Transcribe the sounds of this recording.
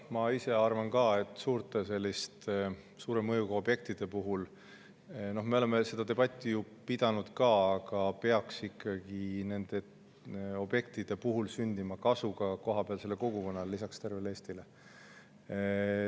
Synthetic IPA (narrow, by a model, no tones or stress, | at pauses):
mɑise̞ɑrvɑnkɑːe̞t̪ːˑsuːɾt̪e̞se̞lʲːist̪ | suːɾe̞mɤjuɡ̥ɑo̞b̥je̞k̚t̪id̪̥e̞puɦul | no̞hme̞o̞le̞me̞se̞d̪̥ɑt̪e̞b̥ɑt̪ʲːˑiju | pid̪̥ɑnud̪̥kɑːɑɡ̥ɑpe̞ɑksikʰːˑɑɡ̥ine̞nd̪̥e̞ | o̞b̥je̞k̚t̪id̪̥e̞puɦulsynʲd̪imɑkɑsuɡ̥ɑko̞ɦɑb̥eɑlse̞lːeko̞ɡ̥uko̞nːɑlelisɑkst̪e̞rvele̞ːst̪ile̞